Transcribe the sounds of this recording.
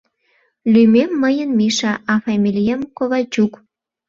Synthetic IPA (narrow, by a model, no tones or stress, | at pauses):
lymemːəjənmiʃɑʔɑfɑmʲilʲijamkoβɑt͡ɕuk